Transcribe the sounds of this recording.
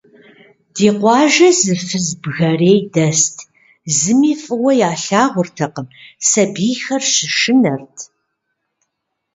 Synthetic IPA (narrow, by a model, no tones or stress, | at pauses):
d̥iːqʷɑːʒɐzɨfɨzbɣɐreːjdɐstʰ | zɨmiːfʼɨwɐjaːɬaːʁʷʊrtʰɐqəmsɐbiːxɐrɕɪʃɨnɐrtʰ